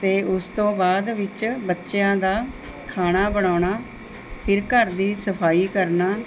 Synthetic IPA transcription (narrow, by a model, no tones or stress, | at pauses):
t̪eːʔʊst̪õːbaːd̪ʋɪt͡ʃbətːʃjãːd̪aː | kʰaːnaːbəɽ̃aːɳaː | pʰɪɾkəɾd̪iːsəpʰaːiːkəɾnaː